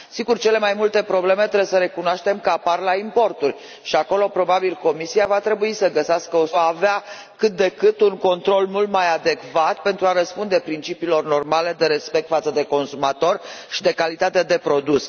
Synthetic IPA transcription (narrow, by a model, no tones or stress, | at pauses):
siɡurt͡ʃe̞le̞majmult̪e̞pɾo̞ble̞me̞t̪ɾebsəɾe̞kunoaʃt̪e̞mkəaparlaimpo̞rt̪urʲ | ʃiako̞lo̞pɾo̞babilko̞misiavat̪ɾe̞buisəɡəseaskəosoːvea | kɨt̪̚d̪e̞kɨt̪uŋko̞nt̪ɾo̞lmult̪majad̪e̞kvat̪pe̞nt̪ɾuaɾəspund̪e̞pɾint͡ʃipiːlo̞rno̞rmale̞d̪e̞ɾe̞spe̞k̚t̪fat̪səd̪e̞ko̞nsumat̪o̞rʃid̪e̞kalit̪at̪e̞d̪e̞pɾo̞d̪us